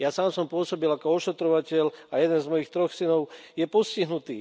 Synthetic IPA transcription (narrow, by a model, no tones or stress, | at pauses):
jasaːmsɔmpʊɔsɔbilakɔɔʃɛt̪ɾɔʋacɛlajɛd̪ɛnzmɔjixt̪ɾɔxsinɔʊjɛpɔsciɦnut̪iː